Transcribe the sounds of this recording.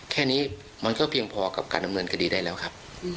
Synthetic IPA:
kʰɛː˥˩niː˦˥ | ma˧nkɔː˥˩pʰi˧əŋpʰɔː˧ka˨˩p̚kaː˧nda˧mnɤː˧nkʰa˧diː˧daː˥˩lɛː˦˥wkʰa˦˥p̚

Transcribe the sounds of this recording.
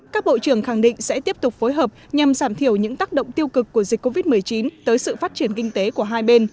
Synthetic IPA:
kaː˦˥k̚ɓo̰˧˨t͡ɕɨ˧˩əŋxa˧˩ŋɗḭ˧˨ŋ̟sɛ̰˧˥t̪i˦˥əp̚t̪ʊ˨˩k͡p̚fo˨˦jɦəː˨˩p̚ɲa˨˩mzaː˧˩mt̪ʰi˧˩əwɲɨ̰˧˥ŋt̪aː˦˥k̚ɗə̰˧˨ŋ͡mt̪i˧əwkɨ˨˩kːu˧˩əzi̟˨˩kːo˧vi˦˥t̚mɨ˨˩əjt͡ɕi˨˦nt̪əː˨˦jsɨ̰˧˨faː˦˥t̚t͡ɕi˧˩ənkï˧ŋ̟t̪e˨˦ku˧˩əɦaː˧jɓe˧n

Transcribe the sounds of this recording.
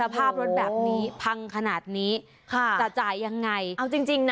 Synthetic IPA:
a˧pʰaː˥˩ɾo˦˥t̪̚bɛː˨˩p̚niː˦˥pʰa˧ŋkʰa˧naː˨˩t̪̚niː˦˥ | kʰa˧˥˩a˨˩t͡ɕaː˨˩jːa˧ŋːa˧jʔwt͡ɕi˧ŋt͡ɕi˧ŋn˥

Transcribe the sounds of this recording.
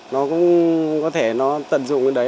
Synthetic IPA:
nɔ˨˦kʊ̰˧˥ŋ͡mkɔ˨˦t̪ʰe˧˩nɔ˨˦t̪ə̰˧˨mzʊ̰˧˨ŋ͡mə˨˦˩ɗə˨˦

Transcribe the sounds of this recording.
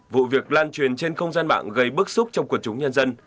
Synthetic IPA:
vṵ˧˨vi˨˩ək̚laː˧nt͡ɕwi˨˩ənt͡ɕe˧nxə˧wŋ͡mzaː˧nɓa̰ː˧˨ŋɣə˧˩jɓɨ˦˥ək̚sʊ˦˥k͡p̚t͡ɕɔ˧wŋ͡mku˨˩ək̚t͡ɕʊ˨˦ŋ͡mɲə˧nzə˧n

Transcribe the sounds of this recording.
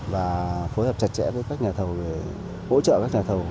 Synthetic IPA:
vaː˨˩fo˨˦jhəː˨˩p̚t͡ɕa˨˧˩t̚t͡ɕɛ̰˧˥vəː˨˦jkaː˦˥k̚ɲaː˨˩t̪ʰə˨˩wve˧˩ | ho̰˧˥t͡ɕə̰˧˨kaː˦˥k̚ɲaː˨˩t̪ʰə˨˩w

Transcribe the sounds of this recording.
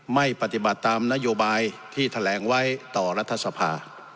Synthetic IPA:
ma˥˩jpa˧˩t̪i˨˩ba˨˩t̪ːaː˧mna˦˥joː˧baː˧jt̪ʰiː˥˩t̪ʰa˧lɛː˩˦ŋwa˦˥jt̪ɔː˨˩ɾa˦˥t̪ʰːa˧sa˧pʰa̰ː˧

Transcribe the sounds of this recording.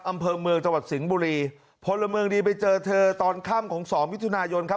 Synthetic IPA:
ʔa˧mpʰɤː˧mɯ˧əŋt͡ɕa˧ŋwa˨˩t̪̚si˩˦ŋbuː˧ɾiː˧ | pʰo˧nla˧mɯ˧əŋdiː˧pa˧jt͡ɕɤː˧t̪ʰɤː˧t̪ɔː˧nkʰaː˥˩mkʰɔː˩˦ŋsɔː˩˦ŋwi˦˥t̪ʰa˧aː˧jo˧nkʰa˦˥p̚

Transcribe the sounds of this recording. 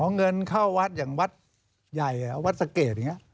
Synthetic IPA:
ɔː˨˦ŋŋɤ˧nkʰa˥˩wwa˦˥t̪̚jaː˨˩ŋwa˦˥t̪̚ | ja˨˩ja˨˩wa˦˥t̪̚sa˧keː˨˩t̪̚a˨˩ŋi˦˥ʔ

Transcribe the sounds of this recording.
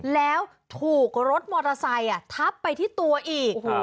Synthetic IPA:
lɛː˦˥w | t̪ʰuː˨˩k̚ɾo˦˥t̪̚mɔː˧t̪a˧sa˧ja˨˩t̪ʰa˦˥pːa˧jt̪ʰiː˥˩t̪u˧ɐʔiː˨˩k̚ː

